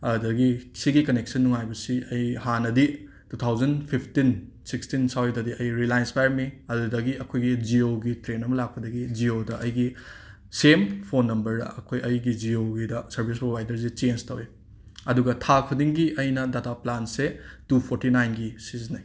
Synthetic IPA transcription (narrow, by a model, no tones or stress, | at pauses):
ɐdɐɡisiɡikɐnek̚sɐnːuŋajbɐsiɐjhanɐdi | tut̪ʰawzɐnpʰipʰtin | sikstinsawidɐdiɐjɾilajnspajɾmiɐdudɐɡiɐkʰojɡid͡ʒioɡitɾenɐmɐlak̚pʰɐdɐɡid͡ʒiodɐʔɐjɡi | sempʰonːɐmbɐɾdɐ̰ʔɐkʰojɐjɡid͡ʒioɡidɐsɐɾbʰʱis̬pɾobʱajdɐɾs̬it͡ʃenstɐwe | ɐduɡɐtʰak̚ʰɐdiŋɡiʔɐjnɐdataplansetupʰoɾtinajnɡisiznaj